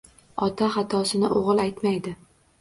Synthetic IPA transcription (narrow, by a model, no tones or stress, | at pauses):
ɒt̪ʰaχɑt̪ʰɒsɪnɪʔoʁɨlˠajt̪majd̪ɪ